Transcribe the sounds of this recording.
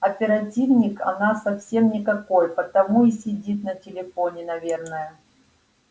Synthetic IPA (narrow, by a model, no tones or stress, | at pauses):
ɐpʲɪɾɐtʲivnʲɪkɐ̰nasɐfsʲe̞mnʲɪkɐko̞jpət̪ɐmuisʲɪdʲit̪nətʲɪlʲɪfo̞nʲɪnɐvʲe̞rnəjə